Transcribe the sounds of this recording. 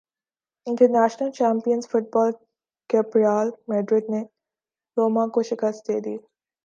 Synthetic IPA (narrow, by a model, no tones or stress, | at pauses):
ɪ̃ɳʈəɾnæːʃnəlt͡ʃaːmpijənzfʊʈ̚bɔːl | kepɾijaːlmeːɖɾɪd̪ne | ɾoːmãkoʃɪkəst̪̚d̪eːd̪iː